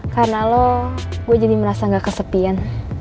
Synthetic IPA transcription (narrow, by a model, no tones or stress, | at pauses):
karnalɔɡuad͡ʒadiməɾasaŋɡakəsəpian